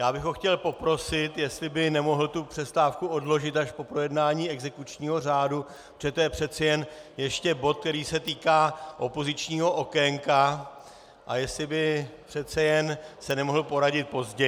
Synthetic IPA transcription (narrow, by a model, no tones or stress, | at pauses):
jaːbɪɣɦo̞xcɛlpo̞pɾo̞sɪt̪jɛst̪lɪbɪnɛmo̞ɦl̩t̪upr̥ɛst̪aːfkuo̞dlo̞ʒɪt̪aʃpo̞pɾo̞jɛdnaːɲiːɛɡzɛkut͡ʃɲiːɦo̞r̝aːdu | pɾoʒɛt̪ojɛpr̝̥ɛt̪t͡sɛjɛnjɛʃcɛbo̞t̪̚kt̪ɛɾiːsɛt̪iːkaːʔo̞po̞zɪt͡ʃɲiːɦo̞ʔo̞kɛŋka | ʔajɛst̪lɪbɪpr̥ɛt̪t͡sɛjɛnsɛnɛmo̞ɦl̩po̞ɾaɟɪt̪̚po̞zɟɛ